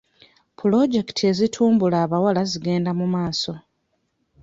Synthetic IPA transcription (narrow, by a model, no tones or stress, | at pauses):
pʰulo̞ɟe̞ktʰie̞zitʰuːmbulaːβawalaziɡe̞ːndamumaːso̞